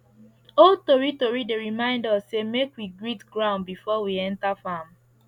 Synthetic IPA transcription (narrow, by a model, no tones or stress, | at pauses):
oltoɹitoɹideɹimãɪ̃ndasːemekwiɡɹitɡɹãʊ̃ndbifɔwiɛ̃ntafam